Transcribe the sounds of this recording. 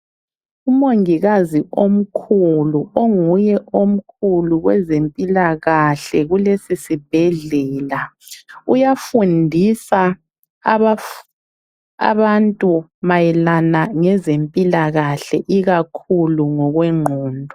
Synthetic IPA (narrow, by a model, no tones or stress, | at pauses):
umoŋiɣaziʔom̩kʰuluoŋujɛʔom̩kʰuluɣwɛzempʼilaɣaɬɛɣulesisib̥ʱɛɮɛːla | ujafundʱisa | βa | a̰βantʼumajɛlanaŋɛzempʼilaɣaɬɛʔiɣakʰuluŋɔɣweŋ͡ǃʱuːndʱɔ